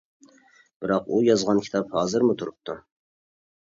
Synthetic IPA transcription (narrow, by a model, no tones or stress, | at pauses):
b̥ɪɾɑqujɑzʁɑnkʲʰi̥t̪ʰɑphɑːzɨɾmut̪ʰuɾup̚t̪ʰu